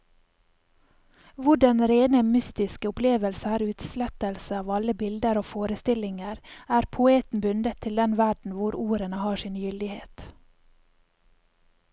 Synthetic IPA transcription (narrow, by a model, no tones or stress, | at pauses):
ʋʊɖɑnɾeːnəmʏst̪ɪskəʊpleːʋəlsəæːɾʉːt̪slɛt̪əlsəɑːʋɑləbɪld̪əɾoːfoːɾəst̪ɪlɪŋəɾæːɾpʰʊeːt̪n̩bʉnd̪ət̪ʰːɪld̪ɛnʋæɖɳ̩ʋʊɾuːɾənəhɑːʃɪːnjʏld̪ɪhḛːt̪